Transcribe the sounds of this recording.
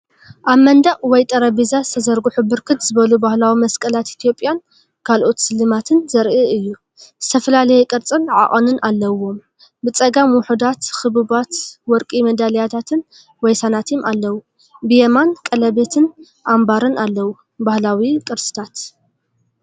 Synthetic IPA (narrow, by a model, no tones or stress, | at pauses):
ʔaβmɐnd̪aʔʼwɔjt̪ʼɐɾɐbizazɨ̥t̪ʰɐzɐɾɡuħubɨɾkʰɨt̪zɨβɐlubahlawimɐskʼɐlat̪it̪ʰijo̞pʼjan | kʰalʔo̞t̪sɨlːɨmat̪ʰɨnzɐɾʔɨʔɨjːu | z̥ɨt̪ʰɐfɐlalɐjɛkʼɨɾt͡sʼɨnʕa̰ʔʼonɨnʔalːɐwo̞m | bɨt͡sʼɐɡamwʊħud̪at̪xɨβɨβat̪wɔɾkʼimɐd̪aljat̪ʰat̪ʰɨn | wɔjsanat̪ʰimalːɐwu | bɨjemankʼɐlɐbet̪ʰɨn | ʔambaɾɨnalːɐwu | bahlawikʼɨɾt͡sʼɨ̥t̪ʰat̪